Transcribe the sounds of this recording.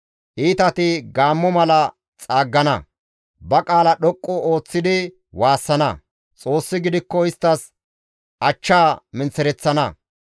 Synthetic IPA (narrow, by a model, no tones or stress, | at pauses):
ʔiːt̪ɐt̪ɪɡaːmːɔmɐlɐ | t͡sʼaːɡːɐnɐ̰ | bɐkʼaːlɐɗɔkʼːɔoːt͡sːɪd̪ɪ | waːsːɐnɐ̰ | t͡sʼo̞ːsːɪɡɪd̪ɪkːɔɪst̪ːɐs | ʔɐt͡ʃːaːmɪnt͡sːɛɾɛt͡sːɐnɐ̰